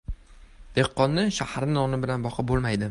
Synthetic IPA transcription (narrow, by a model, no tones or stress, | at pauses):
d̪̥ehqːɒnːɪʃahaɾnɪnɒnɪbɪlanbɒqʰɑbolˠmajd̪ɪ